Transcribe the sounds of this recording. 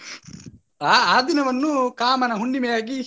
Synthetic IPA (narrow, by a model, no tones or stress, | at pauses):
aːaːd̪inɐʋɐnːukaːmɐnɐɦuɳɖimɛjaːɡi